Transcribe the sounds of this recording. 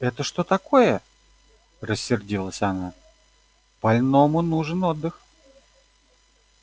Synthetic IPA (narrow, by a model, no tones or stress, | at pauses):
ɛt̪əʂt̪o̞t̪ako̞jə | rəsʲːɪrdʲilˠəsʲana | b̥ɐlʲnomʊnuʐɨnod̪ːɨx